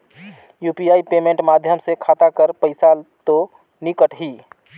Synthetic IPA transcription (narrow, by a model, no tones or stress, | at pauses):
jupijaipemẽɳʈmad̪ʱjəmsekʰat̪akəɾpəɪsalt̪o | nikəʈɦi